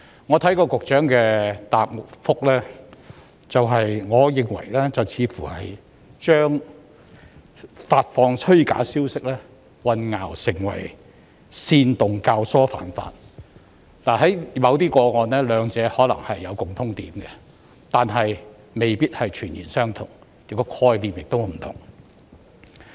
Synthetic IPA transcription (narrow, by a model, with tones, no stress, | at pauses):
ŋɔː˨˧t̪ʰɐ˨˥jkɔː˧kʊ˨k̚t͡ʃœː˨˥ŋkɛː˧t̪aː˨p̚ŋʊ˨k̚fʊ˥k̚lɛː˥ | t͡sɐ˨wɦɐ˨jŋɔː˨˧jɪ˨ŋwɐ̰˨˩jlɛː˥t͡sɐ˨wt͡sʰiː˨˧fuː˨˩hɐ˨j | t͡ʃœː˥ŋ | faː˧t̚fɔː˧ŋsʰɵ˥ɥka̰ː˨˥siː˥wsɪ˥k̚lɛː˥ | wɐ˨nŋaː˨˩wsɪ˨˩ŋwɐ̰˨˩j | siː˧nt̪ʊ˨ŋkaː˧wsɔː˥fa̰ː˨˥nfa̰ː˧t̚ | laː˨˩hɐ˨˥jmɐ˨˧wt̪̬iː˥kɔː˧ŋɔː˨˧nlɛː˥lœː˨˧ŋt͡sɛː˨˧hɔː˨˥lɐ̰˨˩ŋhɐ˨jːɐ˨˧wkʊ˨ŋt̪ʰʊ˥ŋt̪iː˨˥mɡɛ˧ | t̪aː˨nɦɐ˨j | me˨jpiː˥t̚hɐ˨jt͡ʃʰyː˨˩njiː˨˩nsœː˥ŋt̪ʰʊ˨˩ŋ | jɪ˨kːɔː˧kʰɔː˧jliː˨mjɪ˨k̚t̪o˥wm̩˨˩t̪ʰʊ̰˨˩ŋ